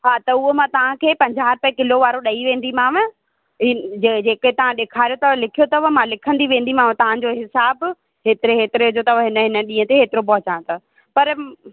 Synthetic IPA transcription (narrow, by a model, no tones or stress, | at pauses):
ɦaːt̪ɐʊɦomãt̪ɐʋ̤ãkʰeːpɐ̃ɲd͡ʑaːɾpɛ̃kɪloʋaːɾoɗɐiʋẽːn̆d̪imãːʋə | ɪed͡ʑeːket̪ɐʋ̤ãɗeːkʰaːɾijot̪ɐlɪkʰijot̪ɐʋəmãlɪkʰə̃nd̪iʋẽːn̆d̪imãːʋ̃t̪ɐʋ̤ãd͡ʑoɦɪsaːb | ɦeːt̪ɪɾeɦeːt̪ɪɾeɦʊd͡ʑot̪ɐʋɦɪnəɦɪnə̆ɗĩːə̃t̪eɦeːt̪ɪɾop̬ɐɦʊt͡ɕãːt̪a | pɐɾ